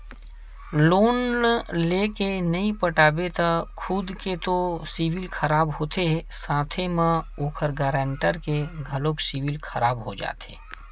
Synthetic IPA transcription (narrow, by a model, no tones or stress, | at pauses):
loːnleːkenɐĩpəʈaːbet̪akʰʊd̪ket̪osiːʋɪlkʰɐɾaːbɦoːt̪eɦɛsãːt̪ʰemãoːkʰəɾɡaːɾãːɳʈəɾkeɡʱɐloksiʋɪlkʰɐɾaːbɦod͡ʒa̰ːt̪ʰḛː